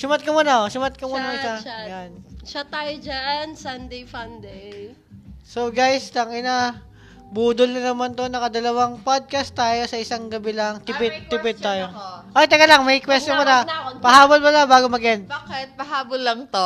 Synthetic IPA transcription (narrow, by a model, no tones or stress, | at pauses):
sʊmat̪̚kɐmuːnɐʔosʊmɐt̪̚kɐmuːnɐʃajanʃat̪aːjod͡ʒaʔnsand̪ejfand̪ɛj | soɡajslɐŋɪna | buːd̪olnɐnɐmant̪o̞nɐŋɐd̪ɐlɐwaŋpod̪̚kɐst̪aːjo̞sɐɪsaŋɡɐbɪlɐŋt̪ɪpɪd̪̚t̪ːɪpɪd̪̚t̪ːaːjoʔojt̪ɐɡɐlaŋmɐjkwɛst̪jomɐnɐpɐɦaːbolmɐlabaːɡomɐɡʔɛnbakɛt̪̚pɐɦaːbolːɐŋt̪o